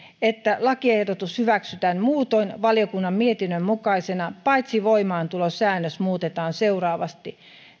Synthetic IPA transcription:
et̪ːælɑkiehdot̪ushyʋæksyt̪ænmuːt̪onʋɑliokunːɑmmiet̪inːømmukɑisenɑpɑit̪siʋoimɑːnt̪ulosæːnːøsmuːt̪et̪ɑːnseurɑːʋɑst̪i

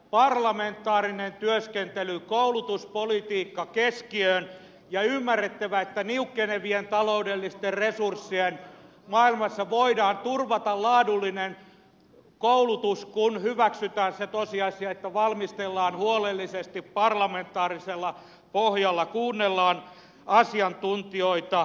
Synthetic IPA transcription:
pɑrlɑment̪ːˑɑːrinent̪yøskent̪elykoulut̪uspolit̪iːkːɑkeskiøːn | jɑymːærːet̪ːæʋæet̪ːæniukːeneʋient̪ɑloudelːist̪erresursːien | mɑːilmɑsːɑʋoidɑːnt̪urʋɑt̪ɑllɑːdulːinen | koulut̪uskunhyʋæksyt̪æːnset̪osiɑsiɑet̪ːæʋɑlmist̪elːɑːnhuolelːisest̪ippɑrlɑment̪ˑɑːriselːɑ | pohjɑlːɑkuːnːelːɑːn | ɑsiɑnt̪unt̪ioit̪ɑ

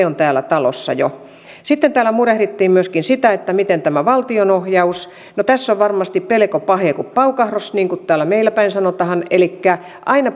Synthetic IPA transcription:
eont̪æːlæt̪ɑlo̰sːɑ̰jo̰ | sit̪ːent̪æːlæmurehrit̪ːiːmmyøskinsit̪æet̪ːæmit̪ent̪æmæʋɑlt̪ionohjɑus | not̪æsːoʋʋɑrmɑst̪ippelekopɑhekuppɑukɑhrosniːŋkut̪t̪æːlːˑæmeilæpæinsɑnot̪ɑhɑnelikːæ | ʔɑinɑ

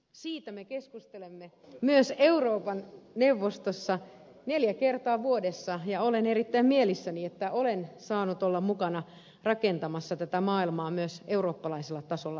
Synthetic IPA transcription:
siːt̪æmekeskust̪elemːe | myøseuroːpɑnneuʋːost̪osːɑneljækert̪ɑːʋuodesːɑjɑoleneɾit̪ːæimmielisːæniet̪ːæolensɑːnut̪olːɑmmukɑnɑ | rɑkent̪ɑmɑsːɑt̪æt̪æmɑːilmɑːmyøseuroːpːɑlɑiselːɑt̪ɑsolːɑ

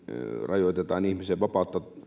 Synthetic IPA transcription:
rɑjoˑt̪et̪ɑːnihmiseʋʋɑpɑˑut̪ːɑ

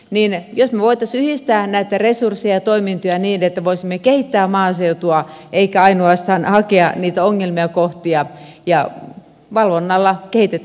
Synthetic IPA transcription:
niːnjosmeʋoit̪ɑsyhist̪æːnæit̪æresursːijɑɑt̪oimint̪yæniːnet̪ːæʋoisimːekehit̪ːæːmɑːseut̪uɑ | ʔeikæɑinoɑst̪ɑːnhɑkeɑniːt̪æoŋːelmiɑkoht̪iɑjɑ | ʋɑlʋonːɑlːɑkehit̪et̪ː

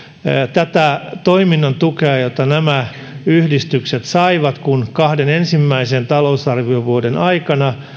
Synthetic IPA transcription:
t̪æt̪æt̪oiminːɑnt̪ukeɑjot̪ːɑnæmæ | yhdist̪ykset̪sɑiʋɑt̪kunkɑhdenensimːæisent̪ɑlousɑrʋioʋuodenɑikɑnɑ

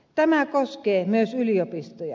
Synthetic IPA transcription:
t̪æmækoskeːmyøsyliopist̪ojɑ̰

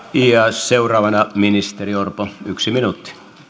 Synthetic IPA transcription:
iɑseurˑɑːʋɑnɑminist̪eriorpoyksiminut̪ːi̥

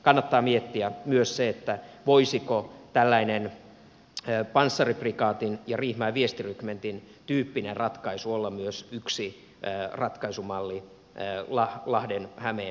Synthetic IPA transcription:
kɑnːɑt̪ːɑːmiet̪ːiæmyøsseet̪ːæʋoisikot̪ælːæinenː | pɑnsːɑriprikɑːt̪injɑrihmæːʋiest̪irykment̪in | t̪yːpːinerrɑt̪kɑisuolːɑmmyøsyksiː | rɑt̪kɑisumɑlːi | lɑhlɑhdenhæmeː

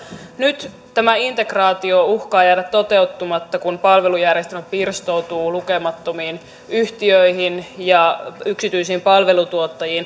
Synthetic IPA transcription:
nyt̪ | t̪æmæint̪e̞krɑːt̪iouhkɑːjæːdæt̪t̪o̞t̪e̞ut̪ːumɑt̪ːɑkunpɑlʋe̞lujærjest̪æmæpirst̪out̪uːluke̞mɑt̪ːomiːn | yht̪iøiɦinjɑyksit̪yisiːmpɑlʋe̞lut̪uot̪ːɑjiːn

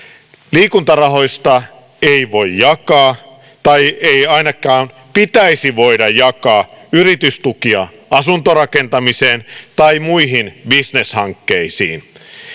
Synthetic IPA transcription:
liːkunt̪ɑrɑɦo̞jst̪ɑ | eiʋojjjɑkɑː | t̪ɑjejɑinɑkɑːm | pit̪æisiʋo̞idɑjjɑkɑːyɾit̪yst̪ukiɑ̰ | ɑsunt̪orɑkent̪ɑmiseːnt̪ɑimuiɦinbisne̞shɑŋkːeisḭːn

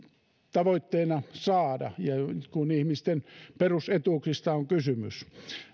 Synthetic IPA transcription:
t̪ɑʋoit̪ːeːnɑsɑːdɑ̰jɑkunihmist̪enperuset̪uːksist̪ɑoŋkysymys

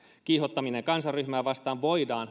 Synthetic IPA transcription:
kihot̪ːɑmineŋkɑnsɑrryhmæːʋɑst̪ɑːʋʋoidɑːn

